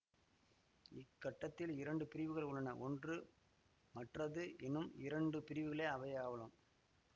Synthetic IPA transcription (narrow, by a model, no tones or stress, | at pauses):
ɪkːɐʈːɐt̪ːɪlɪɾɐɳɖɯpɪɾɪʋɯɣɐɭʊɭːɐnɐʔɔndrɯ | mɐʈrɐðɯʔɛnːɯmɪɾɐɳɖɯpɪɾɪʋɯɣɐɭeːɐʋɐɪaːʋɐlɯm